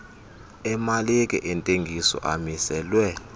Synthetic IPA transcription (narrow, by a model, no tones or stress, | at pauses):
ɛmalekʼɛ̰ʔɛntʼeŋɡʱisɔ̰ʔamisɛːlwɛ